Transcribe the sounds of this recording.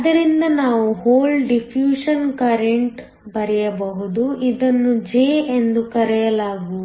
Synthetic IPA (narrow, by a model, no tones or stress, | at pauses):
ɐd̪ɐɾind̪ɐnaːʋuhoːlɖipʰjuːʂɐnkɐɾeɳʈ | bɐɾɛjɐbɐɦud̪uid̪ɐnːud͡ʒeːend̪ukɐɾɛjɐlaːɡu